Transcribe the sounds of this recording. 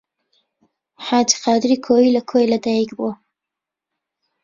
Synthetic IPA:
ħaːdiqaːd̪ɪɾikʰojilɐkʰojlɐd̪aːjikbuɐ

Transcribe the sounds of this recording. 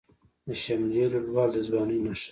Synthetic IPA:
d̪əʃamleloɽwɑːld̪əzbɑːnunaʃ

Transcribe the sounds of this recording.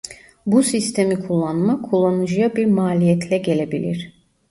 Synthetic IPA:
busist̪ʰe̞mikʰulˠːanmakʰulˠːanɯd͡ʒɯjabiɾmaːlʲijɛt̪ʰlʲɛɟe̞lʲe̞bilʲḭɾ̥

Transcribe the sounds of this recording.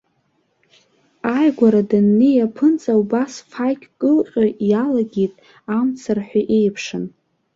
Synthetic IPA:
ajɡʷaɾadanːijapʰɨnt͡sʼawbasfajkʲʼkʼɨlqʲʼʊjalaɡʲitʼ | amt͡sʰarħʷᶣaʔejpʰʂɨn

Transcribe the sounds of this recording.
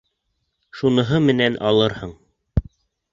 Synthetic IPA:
ʃunɤ̆ɦɤmɘ̆nænʔɑlˠɤɾhɤɴ

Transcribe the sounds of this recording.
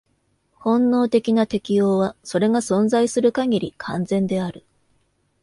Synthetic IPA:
hõ̞nːo̞ːt̪e̞kʲinat̪e̞kʲijo̞ːβaso̞ɾe̞ɡasõ̞nzaisɨɾɯ̟kaɡʲiɾʲikʰãnd͡zẽ̞nd̪e̞aɾɯ̟

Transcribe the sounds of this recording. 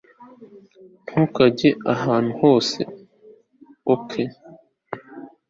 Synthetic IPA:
n̥hukaɟeaɦaːn̥̤uho̞ːse̞̰ | okʰe

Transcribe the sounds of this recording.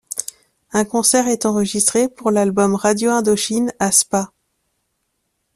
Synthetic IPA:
ɛ̃kɔ̃sɛʁɛt̪ɑ̃ʁəʒist̪χepuʁlalbɔmʁad̪joɛ̃d̪ɔʃinaspa

